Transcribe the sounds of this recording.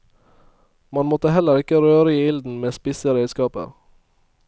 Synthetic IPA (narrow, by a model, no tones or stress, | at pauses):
mɑnmɔt̪əhɛləɾɪkəɾøːɾəiːɪld̪n̩meːspɪsəɾeɪskɑːpə̰ɾ